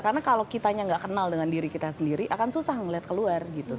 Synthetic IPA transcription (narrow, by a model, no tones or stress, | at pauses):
karnakalokit̪aɲaŋɡaʔkənaldəŋandiɾikit̪asəndiɾiʔakansusahŋəliɦat̪̚kəluarɡit̪u